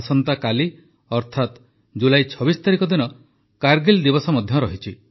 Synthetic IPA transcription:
sɔnt̪akali | ɔɾt̪ʰat̪ | d͡ʒulajt͡ʃʰɔbist̪aɾikɔd̪inɔ | kaɾɡild̪ibɔsɔmɔd̪ʱjɔɾɔɦit͡ʃʰi

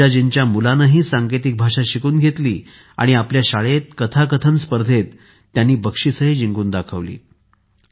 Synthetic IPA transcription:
ad͡ʑiɲt͡ɕjamulanəɦiːsaŋket̪ik̚bʱaʂaɕikuːnɡʱet̪liː | a̰ɽ̃iapljaɕaɭet̪̚kət̪ʰakət̪ʰənspəɾd̪ʱet̪ː | janːiːbəkʂisəɦiːd͡ʑiŋɡuːnd̪akʰəʋlḭː

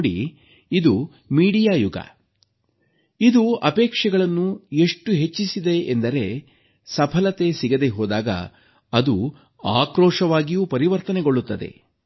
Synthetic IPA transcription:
ɽḭ | id̪u | miːɽijaːjuɡɐ̰ | id̪uɐpeːkʂɛɡɐɭɐnːue̞ʂʈuɦe̞t͡ʃːisid̪e̞ʔːnd̪ɐɾe̞ | sɐpʰɐlɐt̪e̞siɡɐd̪e̞ɦoːd̪aːɡɐ̰ | ɐd̪u | aːkɾɔːʂɐʋaːɡijuːpɐɾiʋɐɾt̪ɐneɡo̞ɭːut̪ːɐd̪e̞̰

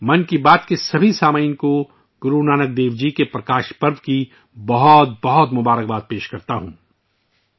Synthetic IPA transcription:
mɐ̃nkibaːt̪kesɐbʱisaːməinko | ɡʊɾunaːnək̚d̪eːʋd͡ʒikepɾɐkaːʃpɐɾd̪ki | bɐɦɔt̪̚bɐɦɔt̪mʊbaːɾək̚baːt̪̚peːʃkɐɾt̪aɦũː

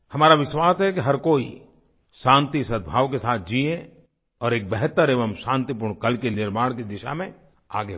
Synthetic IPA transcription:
hɐmaːɾaʋɪʃwaːsɦɛkiɦɐɾkoːḭ | ʃãːnt̪isəd̪̚bʱaːʋkesaːt̪̚ʰd͡ʒiːẽ | ɔːɾeːk̚bɛɦt̪əɾeːʋəmʃãːnt̪ipʊɾɳkɐlkenɪɾmaːɽ̃kid̪ɪʃa̰mẽ | aːɡe

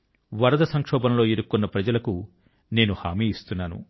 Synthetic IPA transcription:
ʋɐɾɐd̪ɐsɐŋkʂɔːbɐmlo̞ːiɾukːunːɐpɾɐd͡ʒɐlɐku | ne̞ːnuha̰ːmiːjist̪unːaːnṵ

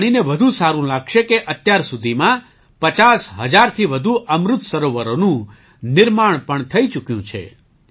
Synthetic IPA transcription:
ɽ̃ineʋəd̪ʱũsaɾũlaɡʃekeʔət̪jaɾsud̪ʱimã | pət͡ʃasɦəd͡ʒaɾt̪ʰiʋəd̪ʱuʔəmɾʊt̪səɾoʋəɾonũ | nɪɾmaɳ̃pəɳt̪ʰəit͡ʃukjũt͡ʃʰḛ

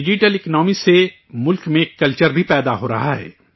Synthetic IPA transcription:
ɪd͡ʒiʈəlɪknɔːmise | mʊlkmẽːkːɐlt͡ʃəɾbʱipɛːd̪aɦoːɾɐ̰ɦaɦɛ̰ː

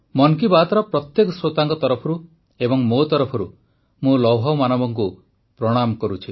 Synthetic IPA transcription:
mɔŋkibat̪ɾɔpɾɔt̪jekɔsɾot̪aŋkɔt̪ɔɾɔpʰɔɾu | ebɔŋmot̪ɔɾɔpʰɔɾu | mũlɔwɦɔwmanɔbɔŋku | pɾɔɽ̃amɔkɔɾut͡ʃʰi

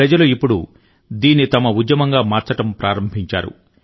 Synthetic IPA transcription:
ɾɐd͡ʒɐluipːuɽu | d̪iːnːit̪ɐmɐud̪jɐmɐŋɡaːmaːɾt͡ʃɐʈɐmpɾaːɾɐmbʱiɲt͡ʃaːɾṵ

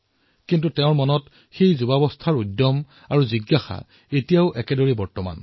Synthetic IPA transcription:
kintutɛʊ̃ɹmɔnɔt | xejzubabɔstʰaɹudːɔm | aɹuziɡːaxa̰ | etijaʊʔɛkɛdoɹibɔɹtɔma̰n

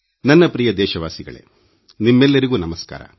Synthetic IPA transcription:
nɐnːɐpɾijɐd̪ɛːʃɐʋaːsiɡɐ̰ɭḛ | nimːɛlːɐɾiɡuːnɐmɐska̰ːɾɐ̰

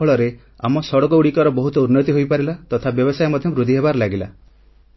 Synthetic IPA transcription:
ɔɭɔɾe | a̰mɔsɔɽɔkɔuɽikɔɾɔbɔɦut̪ɔunːɔt̪iɦojpaɾilat̪ɔt̪ʰabjɔbɔsajɔmɔd̪ʱjɔbɾud̪ʱiɦebaɾɔlaɡila̰

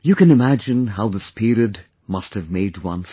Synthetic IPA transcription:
jɨkɨ̃nɨmæd͡ʒɨ̃nɦaʊðɪspʰɪɹiɨd | mʌst̚hɨvmeɪd̚wʌ̰̃n

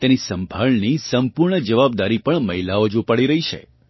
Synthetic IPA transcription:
t̪enisə̃mbʱalnisəmpuɾɳəd͡ʒəʋab̚d̪aɾipəɳməɦilaod͡ʒupaɽiɾəɦit͡ʃʰḛ

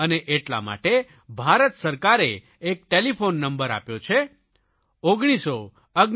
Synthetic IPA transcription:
əneʔeʈla̰ma̰ʈe | bʱaɾət̪səɾkaɾeː | k̚ʈelipʰonːəmbəɾa̰pjot͡ʃʰe | oɡɽ̃iso | əɡ

